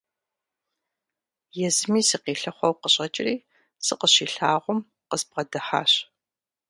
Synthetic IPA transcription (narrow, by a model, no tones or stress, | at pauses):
jɛzɨmiːsɨqiːɬɐχʷɔwqəɕʼɐt͡ʃʼɪriː | sɨqəɕiːɬaːʁʷʊm | qəzbʁɐdɐħa̰ːɕ